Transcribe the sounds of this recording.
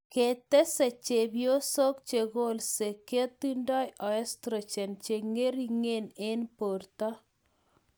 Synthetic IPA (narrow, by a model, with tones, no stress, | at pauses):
ket̪ɛ˦sɛ˨t͡ʃe˨bjo˦so˦k̚t͡ʃeɣo˦lse˨ke˦t̪inda˦jʔɔɛst̪ɾet͡ʃɛ˨nt͡ʃeŋe˦ɾi˦ŋenenpo˨ɾt̪a˦